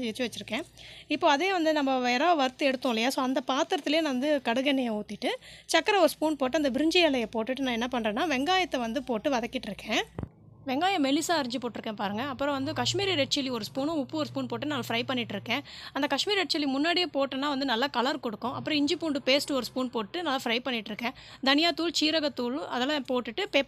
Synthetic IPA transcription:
ɛt͡ʃːɯʋɐt͡ʃːɪɾɯkːẽːɪpːoːɐðeːʋɐnd̪ɯnɐmːɐʋeːɾaːʋɐɾɯt̪ːɯɛɽɯt̪ːõːɪlːɐjaːsoːɐnd̪ɐpaːt̪ɯɾɐt̪ːɪleːnãɐnd̪ɯkɐɽɯɣɐnɛjɐuːt̪ːɪʈːɯt͡ʃɐkːɐɾɐɔɾɯspuːnpoːʈ̬ːɯɐnd̪ɐbɪɾɯɲd͡ʒɐjɐːlɐjɐpoːʈːɯʈːɯnãːɛnːɐpɐɳrɾẽːnːaːʋɛŋɡaːjɐt̪ːɛʋɐnd̪ɯpoːʈːɯʋɐðɐkːɪʈːɪɾɯkːẽː | ʋɛŋɡaːjɐ̃mɛlɪsaːɐɾɪɲd͡ʒɯpoːʈːɪɾɯkːẽːpaːɾɯŋɡɐːpːɯɾɔ̃ʋɐnd̪ɯkɐʂmiːɾiɾɛʈ̚t͡ʃɛliɔɾɯspuːnõʊpːɯɔɾspuːnpoːʈːɐnɐlːɐfɾɐɪpɐɳːɪʈːɪɾɯkːẽːɐnd̪ɐkɐʂmiːɾɛʈ̚t͡ʃːɛlːimʊnːaːɽɪjepoːʈːɐnːaːʋɐnd̪ɯnɐlːɐkɐlɐɾkɔɽɯkːʊ̃ʔɐpːɯɾɔ̃ɪɲd͡ʒɯpuːɳɖɯpeːsʈɯɔɾɯspuːnpoːʈːɯnɐlːɐfɾɐɪpɐɳːɪʈːɪɾɯkːẽːd̪ɐnɪjaːt̪ːuːlt͡ʃiːɾɐɣɐt̪ːuːɭɐ̰ðɛlːɐ̃poːʈːɯʈːɯpeː

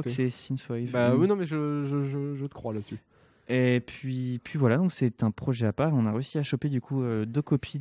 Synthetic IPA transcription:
sɛsinfajvbawinɔ̃mɛʒəʒəʒəʒət̪ə̥kχwalasy | epɥipʰɥivwalad̪ɔ̃ksɛt̪ɛ̃pχɔʒɛapaʁeɔ̃naʁeysiaʃɔped̪ykʰuød̪økɔpʰi

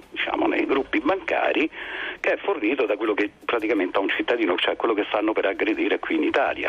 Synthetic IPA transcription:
d̪it͡ʃa̰ːmo̰nḛjɡɾupːibaŋka̰ːɾikeɛfːorniːt̪od̪akwelːokepːɾat̪ikament̪eaunt͡ʃit̪ːad̪iːnot͡ʃɛkːwelːokest̪anːopeɾaɡɾed̪iːɾekwiːnit̪a̰ːlja̰

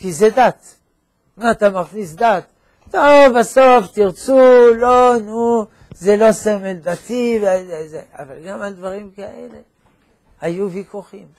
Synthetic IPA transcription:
kized̪at̪ | maːt̪amaχnis̬d̪at̪ː | ovaso̞ft̪iʁt͡sulonu | zelo̞semeld̪at̪iveazezea̰valɡamald̪vaʁimkaʔḛle̞ | hajuvikuχim

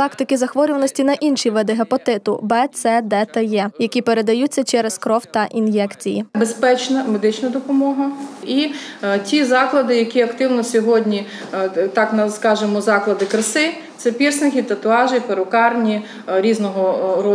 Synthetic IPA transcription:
t̪ɑkt̪ɪkɪzɐxʋɔɾʲʊʋɐnɔsʲtʲinɐʔinʃiʋɛd̪eɦɐpɔt̪ɪt̪ʊbɛt̪sɛd̪ɛt̪ɐjɛjɐkʲipeɾe̞d̪ɐjutʲt͡sʲːɐt͡ʃɛɾeskɾɔwt̪ɐʔinjɛkt͡sʲijḭbespɛt͡ʃnɐmed̪ɪt͡ʃnɐd̪ɔpɔmɔɦɐitʲizɑklˠɐd̪ɪjɐkʲiɐkt̪ɪwnɔsʲɔɦɔdʲnʲi | t̪ɑknɐskɑʒɪmɔzɑklˠɐd̪ɪkɾɪsɪ | t̪sɛpʲirsnɪkʲit̪ɐt̪ʊɑʒɪpeɾʊkɑrnʲi | ɾʲiznɔɦɔɾɔ

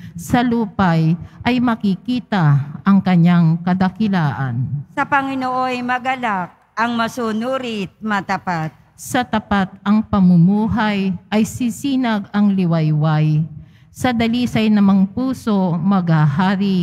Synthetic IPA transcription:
sɐluːpajʔɐjmɐkɪkiːt̪ɐʔɐŋkɐɲaŋkɐd̪ɐkɪlaːʔansɐpɐŋɪnoʔojmɐɡɐlak̚ | ɐŋmɐsunuːɾɪt̪̚mɐt̪ɐpat̪̚ | sɐt̪ɐpat̪̚ɐŋpɐmʊmuːɦajʔɐjsɪsiːnɐɡɐŋlɪwajwaj | sɐd̪ɐliːsɐjnɐmɐŋpuːso̞mɐɡhaɦaːɾɪ

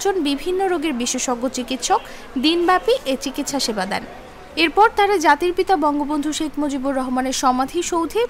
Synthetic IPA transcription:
t͡ɕonbibʱinːoɾoɡeɾbiʃːeʃoɡːot͡ɕikit̪ʃok | d̪inbɛpiʔet͡ɕikit̪ʃaʃebad̪ɛ̰n | eɾpɔɾt̪aɾad͡ʑat̪iɾpit̪abɔŋɡobond̪ʱuʃekʰmod͡ʑiboɾːɔɦomaneɾʃɔmad̪ʱiʃowd̪ʱe

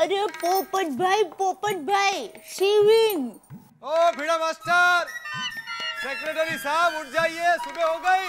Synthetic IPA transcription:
ɐɾepoːpəʈbʱaipoːpəʈ̚bʱaisiʋiŋɡ | obʱiɽamaːsʈəɾ | sekɾeʈəɾisaːbʊʈ̚ʰd͡ʒaːiesʊbeɦoːɡəi

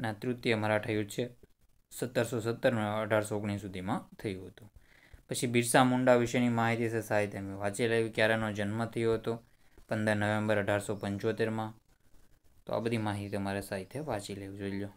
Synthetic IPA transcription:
nat̪ɾut̪ːjeəməɾaʈʰəjut͡ʃʰe | sət̪ːəɾsosət̪ːəɾməɖʱaɾsoːɡɽ̃isud̪ʱimãt̪ʰəjũɦət̪ũ | pət͡ʃʰibiɾsãmuɳɖaʋɪʃəjnimaɦit̪isesaɦit̪ʰemeʋat͡ʃileʋikjaɾenod͡ʒənmət̪ʰəjoɦət̪o | pənd̪əɾnəʋẽmbəɾəɖʱaɾsopəɲt͡ʃot̪eɾmã | t̪o̰a̰bəd̪ʱimaɦit̪iəmaɾesaɦit̪ʰeʋat͡ʃileʋud͡ʒoljo

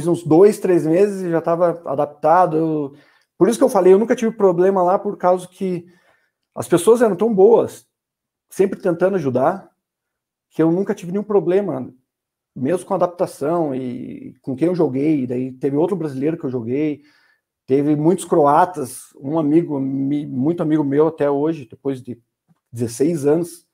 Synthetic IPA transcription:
jzũzd̪ojst̪ɾezmezɪzʒat̪avɐa̰d̪ap̚t̪ad̪ʊe | poɾis̬ʊ̥kewfalejewnũkɐt͡ʃivɪpɾoblẽmɐlapoɾkawzʊkʰɪ | ɐ̰spesoɐzɛɾɐ̃w̃t̪ɐ̃w̃boɐsː | ẽmpɾɪt̪ẽnt̪ɐ̃nd̪ʊaʒud̪aɾ | kʰɪewnũŋkɐt͡ʃivɪnẽjũpɾoblẽmɐ | mezmʊkõad̪ap̚t̪asɐ̃w̃ɪ̰kõkẽj̃ewʒoɡejd̪ait̪evɪowt̪ɾʊbɾazilejɾʊkɪewʒoɡej | t̪evɪmũj̃t̪ʊskɾoat̪ɐs | ũamiɡʊimũj̃t̪ʊamiɡʊmewat̪ɛoʒɪd̪epojzd̪ɪ | d͡ʒ̪ɪzesejzɐ̃nʊs

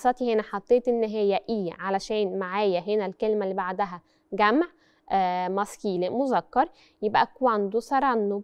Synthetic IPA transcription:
sˤːɑt̪ihenæħɑt̪ˤːeːt̪ʔenːɦejːæʔiːʕalæʃæːnmaʕaːjæɦenælkelmælːibaʕd̪æɦæ | ɡæmʕ | ʔːmɑskiːlemozækːɑɾˤ | jebʔækwænd̪usɑɾˤɑnːob

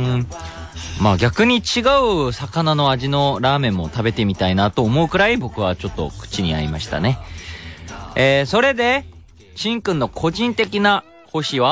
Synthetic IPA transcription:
maːɡʲakɯ̟ɲ̟it͡ɕiɡaɯ̟sakanano̞aʑino̞ɾaːmẽ̞mːo̞t̪abe̞t̪e̞mʲit̪ainat̪o̞ːmo̞ɯ̟kɯ̟ɾaibo̞kɯ̟βat͡ɕo̞t̪ːo̞̰kɯ̟̥t͡ɕiɲ̟ia̰ɾḭmaɕi̥t̪a̰ne̞ | eːso̞ɾe̞d̪e̞ | ɕĩŋkɯ̃nːo̞kʰo̞ʑĩnt̪e̞kʲina | ho̞ɕiβa

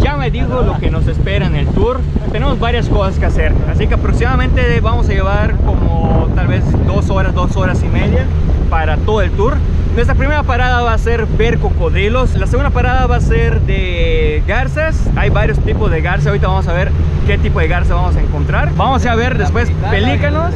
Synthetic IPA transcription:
ɟ͡ʝame̞ðiɣolokeno̞sespe̞ɾanelt̪uɾ | t̪ene̞mozbaɾjasko̞saskease̞ɾasikeapɾo̞ksimaðamẽ̞nt̪eβamo̞saʝe̞βaɾko̞mot̪alβe̞zd̪o̞so̞ɾazd̪o̞so̞ɾasime̞ðja | paɾat̪o̞ðoe̞lt̪uɾ | nwest̪ɾapɾime̞ɾapaɾaðaβaːseɾbeɾkokoðɾiloslaseɣund̪apaɾaðaβaseɾðe | ɣaɾsasajβaɾjost̪ipozðeɣaɾs̬aoɾit̪aβamos̬aβe̞ɾ | ke̞t̪ipoð̞e̞ɣaɾsaβamos̬aeŋko̞nt̪ɾaɾbamosaβe̞ɾðespwe̞s | pelikanos

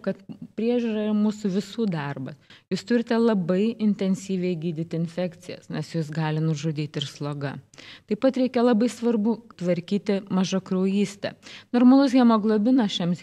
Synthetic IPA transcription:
kɐt̪pʲɾʲiɛʒʲuːɾɐɪɾmuːsʊʋʲɪsuːd̪ɑrbɐsjuːst̪ʊɾʲɪt̪ʲɛlˠɐbɐɪɪnʲt̪ʲɛnʲsʲiːʋʲɛɪɡʲiːd̪ʲɪt̪ʲɪɪnʲfʲæːkt̪sʲɪjɛ̰snʲɛsjuːs̬ɡɑːlʲɪnʊʒʊd̪ʲiːt̪ʲɪɾslˠoːɡɐt̪ɐɪpɐt̪ɾʲɛɪkʲɛlˠɐbɐɪsʋɐɾbʊt̪ʋɐɾʲkʲiːt̪ʲɪmɐʒɐkɾoːjiːsʲt̪ʲɛ̰noːɾmɐlˠʊsɡʲiɛmoːɡlˠoːbʲɪnɐʃʲɛms

